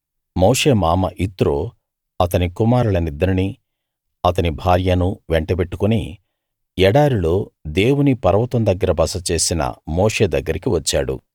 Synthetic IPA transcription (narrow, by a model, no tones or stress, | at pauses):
moːʂe̞ːmaːmɐʔit̪ɾoː | ɐt̪ɐnikumaːɾulɐnid̪ɐɾɐni | ɐt̪ɐnibʱaːɾjɐnuʋeɳʈɐbeʈːukuni | ɛɽaːɾuloːd̪eːwunipɐɾɐʋɐt̪ɐmd̪ɐɡːɐɾɐbɐsɐt͡ʃe̞ːsinɐ̰moːʂe̞ːd̪ɐɡːɐɾikiʋɐt͡ʃːa̰ːɽṵ